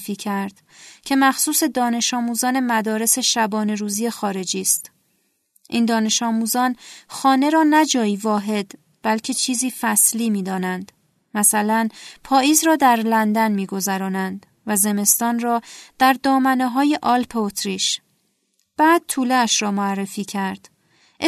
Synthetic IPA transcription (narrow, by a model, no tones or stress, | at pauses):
fiːcʰæɾd̪̥ | cʰe̞mæxsuːse̞d̪ɒːne̞ʃɒːmuːzɒːne̞mæd̪ɒːɾe̞se̞ʃæbɒːne̞ɾuːzije̞xɒːɾe̞d͡ʒiːst̪ | ʔiːnd̪ɒːne̞ʃɒːmuːzɒːnxɒːne̞ɾɒːnæd͡ʒɒːjivɒːɦe̞d̪ | b̥ælcʰe̞t͡ʃʰiːziːfæsliːmiːd̪ɒːnænd̪ | mæsælænpʰɒːjiːzɾɒːd̪æɾlænd̪ænmiːɡo̞zæɾɒːnænd̪ | væze̞me̞st̪ɒːnrɒːd̪̥æɾd̪ɒːmæneɦɒːje̞ʔɒːlpʰeot̪ʰɾiːʃ | b̥æːd̪̥̚t̪ʰuːleæʃɾɒːmoærːe̞fiːcʰæɾd̪̥